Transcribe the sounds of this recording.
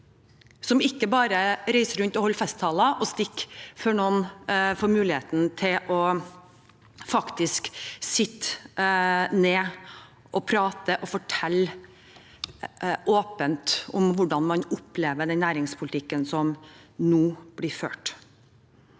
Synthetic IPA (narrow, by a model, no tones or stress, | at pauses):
sɔmɪkːəbɑːɾəɾæɪsəɾʉnt̪ɔhɔlːfɛst̪ʰːɑːlɑʔɔst̪ɪkːføːɳɔnfoːɾmʉːlɪheːt̪n̩t̪ʰɪlʔɔ | fɑkt̪ɪsksɪt̪ːə | neː | ʔɔpʰɾɑːt̪əʔɔfɔʈʰɛlː | ʔoːpənt̪ɔmʋʊɖɑnmɑnʊpleːʋəɖɛnnæːɾɪŋspʰʊlɪt̪ʰɪkːənsɔmnuːb̥lɪɾføːʈ